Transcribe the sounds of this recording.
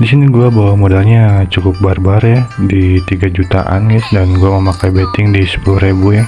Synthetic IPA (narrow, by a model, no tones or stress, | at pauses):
disiniɡuabawamodalɲat͡ʃukʊp̚barbarjadit̪iɡad͡ʒut̪a̰ʔa̰nɡaɪsdanɡuaməmakajbet̪ɪŋdisə̥puluhɾebuja